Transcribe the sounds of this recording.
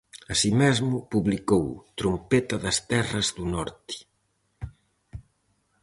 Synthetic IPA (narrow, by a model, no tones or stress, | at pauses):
ɐsimɛzmʊpuβlikowt̪ɾompet̪ɐðɐst̪ɛrɐzðunɔɾt̪i̥